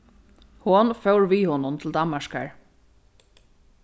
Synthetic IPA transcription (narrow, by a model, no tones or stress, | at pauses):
hʊnfœwɹʋiːhoːnʊnt̪ʰɪld̪amːaʂka̰ɹ